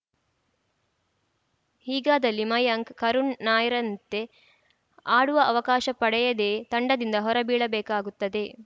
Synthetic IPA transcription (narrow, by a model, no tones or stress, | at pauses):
hiːɡaːd̪ɐlːimɐjɐŋkkɐɾunːaːjɾɐnt̪e̞ | aːɽuʋɐʔɐʋɐkaːʃɐpɐɽɛjɐd̪e̞ːt̪ɐɳɖɐd̪ind̪ɐɦɔɾɐbiːɭɐbɛːkaːɡut̪ːɐd̪e̞